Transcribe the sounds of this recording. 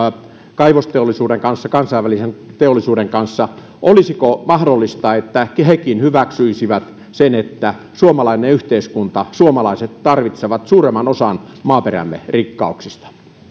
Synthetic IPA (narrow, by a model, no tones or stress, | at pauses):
kɑiʋost̪eolːˑisuːdeŋkɑnsːɑkɑnsɑiʋælisent̪eolːˑisuːɾeŋkɑnsːɑ | ʔolisikomɑhdolːist̪ɑet̪ːækhekinhyʋæksyisiʋæt̪ | senet̪ːæ | suomɑlɑineyht̪eiskunt̪ɑsuomɑlɑiset̪tɑrʋit̪seʋɑt̪suːremːɑnosɑnmɑːperæ̰mːḛrikːɑuksist̪ɑ̥